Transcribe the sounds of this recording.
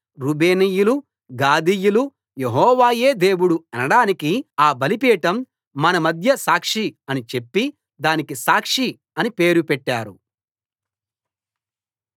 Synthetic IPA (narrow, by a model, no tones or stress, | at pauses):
ɾube̞ːnijulu | ɡaːd̪ijulu | jeɦɔːʋaːje̞ːd̪e̞ːwuɽuɛnɐɽaːnikiaːbɐlipiːʈɐmː | ɐnɐmɐd̪ʱjɐsaːkʂiɐnit͡ʃe̞pːi | d̪aːnikisaːkʂi | ɐnipe̞ːɾupɛʈːaːɾṵ